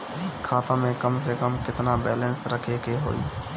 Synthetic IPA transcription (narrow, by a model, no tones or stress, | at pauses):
kʰːaːt̪ãmẽkəmsekəmkɪt̪nabɛːlɛ̃nsɾəkʰekeɦo̰ːḭː